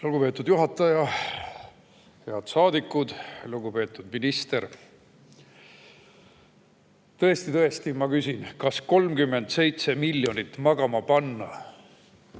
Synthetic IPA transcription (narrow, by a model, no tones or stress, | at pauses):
luɡ̥upe̞ːt̪ːˑud̪̥juɦɑt̪ːˑɑjɑ | heɑd̪̥sɑːd̪ikːˑud̪̥luɡupe̞ːt̪ːud̪minist̪e̞ɾ | t̪ɤe̞st̪it̪ɤe̞st̪imɑkysʲinkɑsko̞lmkymːe̞nd̪̥se̞jt̪se̞miljo̞nit̪ːmɑɡɑmɑpɑnːɑ